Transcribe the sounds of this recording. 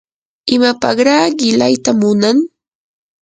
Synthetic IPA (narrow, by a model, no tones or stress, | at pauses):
ɪmapɑχɾaːɢɪlajt̪amʊnaŋ